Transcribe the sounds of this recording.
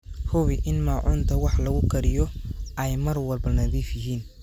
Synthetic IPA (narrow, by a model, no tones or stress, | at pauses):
hʊβɪʔɪnmaːʕʊnt̪ʰɐwɑħlɐɣʊkʰɐɾɪjɔʔɛjmɐrwɐlbɐnɐðiːfjɪɦiːn